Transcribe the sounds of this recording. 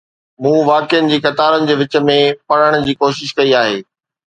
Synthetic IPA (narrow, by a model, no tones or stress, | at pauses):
mũːʋaːkɪənɪ̆d͡ʑiːxɐt̪aːɾənɪ̆d͡ʑeːʋɪt͡ɕə̆mẽpɐɽ̤əɽ̃̆d͡ʑiːkoːʃɪʃkɐiaːɦḛː